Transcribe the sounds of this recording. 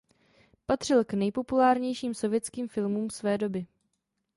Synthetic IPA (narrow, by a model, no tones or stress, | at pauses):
pat̪r̝̥ɪlknɛjpo̞pulaːɾɲɛjʃiːmso̞vjɛt͡skiːmfɪlmuːmsvɛːdo̞bɪ